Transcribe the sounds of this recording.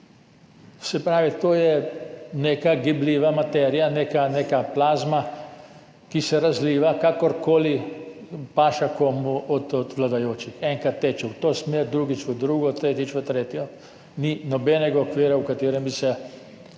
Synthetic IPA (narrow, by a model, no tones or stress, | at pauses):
sɛpɾaːʋit̪oːjɛneːkaɡibliːʋamat̪ɛɾijanekaneːkaplaːzma | kisɛɾazliːʋakakɔɾkoːli | paːʃakomuɔt̪ɔd̪ʋlad̪ajoːt͡ʃixɛŋkat̪ːɛːt͡ʃɛwt̪oːsmeːɾd̪ɾuːɡit͡ʃʋəd̪ɾuːɡɔt̪ɾeːt̪it͡ʃʋət̪ɾeːt̪jɔ | ninɔbɛnɛɡaokʋiːɾaukat̪eːɾɛmbisɛ